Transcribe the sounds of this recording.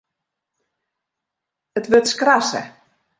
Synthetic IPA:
ətʋøtskrasə̰

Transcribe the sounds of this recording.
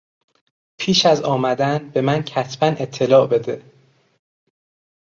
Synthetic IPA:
pʰiːʃæzɒːmæd̪ænbe̞mæncʰæsb̥æne̞t̪ʰːe̞lɒːbe̞d̪e

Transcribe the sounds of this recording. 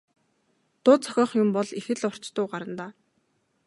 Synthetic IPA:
t̪ʊːt͡sʰœ̥xʲɔːχjʊmpɔɮixɘ̆ɮʊr̥t͡ɕt̪ʊːɢaɾə̆nt̪aː

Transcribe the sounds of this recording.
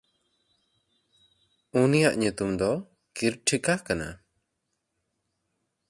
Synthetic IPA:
unijaʔɲut̪umd̪ɔ | kiɾʈʰikakana̰

